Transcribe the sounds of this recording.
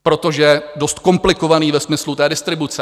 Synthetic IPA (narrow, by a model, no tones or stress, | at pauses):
pɾo̞t̪o̞ʒɛdo̞st̪ko̞mplɪkovaniːvɛsmɪslut̪ɛːdɪst̪ɾɪbut͡sɛ